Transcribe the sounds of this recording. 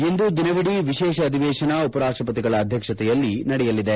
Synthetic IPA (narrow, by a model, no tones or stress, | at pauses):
e̞nd̪ud̪inɐʋiɽiʋiʃɛːʃɐːd̪ʱiʋɛːʃɐnɐupɐɾaːʂʈɾɐpɐt̪iɡɐɭɐːd̪ʱjɐkʂɐt̪ɛjɐlːinɐɽɛjɐlːid̪e